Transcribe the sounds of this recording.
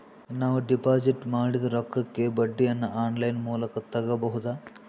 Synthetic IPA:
naːʋuɖipaːd͡ʒiʈmaːɽid̪ɐɾɔkːɐkːe̞bɐɖːijɐnːɐʔaːnlɐjnmuːlɐkɐt̪ɐɡɐbɐɦud̪aː

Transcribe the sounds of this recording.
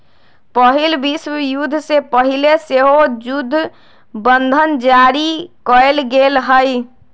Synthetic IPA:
pəɦɪlbiswəjud̪ʱːsepəɦileseɦod͡ʒʊd̪ʱː | bə̃nd̪ʱənd͡ʒaːɾikɔelɡeːlɦəj

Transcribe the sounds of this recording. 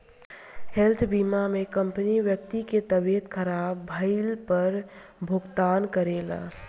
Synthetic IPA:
helt̪ʰbimamekəmpəniʋjək̚t̪iket̪əbet̪kʰəɾabːʱəɪlpəɾ | bʱʊɡt̪aːnkəɾela̰

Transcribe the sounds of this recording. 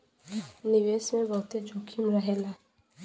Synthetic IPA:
nɪʋeːsmẽbɐɦʊt̪ed͡ʒoːkʰimɾɐɦelaː

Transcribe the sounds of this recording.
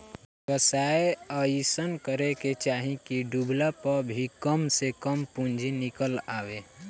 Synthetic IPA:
kəsaːeəisənkəɾeket͡ʃaːɦĩkiɖublapəɾbʱikəmsekəmpũnd͡ʒʱinɪkəlaːʋeː

